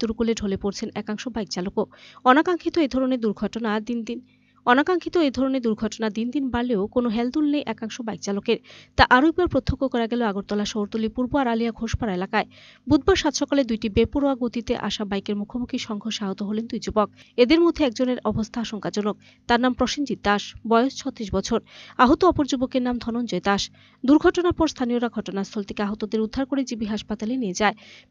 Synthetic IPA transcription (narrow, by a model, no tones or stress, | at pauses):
t̪uɾukuleɖʱolepoɾt͡ɕʰenɛkaŋʃobajk̚t͡ɕalokoɔnakaŋkʰit̪oed̪ʱɔɾoned̪uɾɡʱɔʈonad̪ind̪in | ɔnakaŋkʰit̪oed̪ʱɔɾoned̪uɾɡʱɔʈonad̪ind̪inbaleokonoɦɛld̪ulnejʔɛkaŋʃobajk̚t͡ɕalokeɾt̪aʔaɾoɛk̚baɾpɾot̪ʰːokːokɔɾaɡɛloaɡoɾt̪ɔlaʃoɾt̪olipuɾboaɾaliaɡʱoʃpaɾaelakae | bud̪̚baɾʃat̪ʃɔkaled̪ujʈibepuɾoaɡot̪it̪ḛʔa̰ʃabajkeɾmukʰomukʰiʃɔŋkʰoʃaɦot̪oɦolend̪ujd͡ʑobok̚ | ed̪eɾmod̪ʱːeɛkd͡ʑoneɾɔbost̪ʰaaʃoŋkad͡ʑɔnok̚ | t̪aɾnampɾoʃind͡ʑit̪̚d̪aʃbɔost͡ɕʰɔt̪ːɾiʃbɔt͡ɕʰoɾaɦot̪oɔpoɾd͡ʑobokeɾnamd̪ʱɔnond͡ʑɔjt̪aʃ | d̪uɾɡʱɔʈonaɾpɔɾst̪ʰanioɾaɡʱɔʈonast̪ʰɔlt̪ʰe̥keaɦot̪od̪eɾud̪ʱːaɾkoɾed͡ʑibiɦaʃpat̪alenied͡ʑae